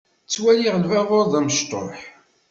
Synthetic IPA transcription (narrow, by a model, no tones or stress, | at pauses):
t͡sːwæliʁəlwæʁoɾðˤæməʃt̪ˤo̰ħ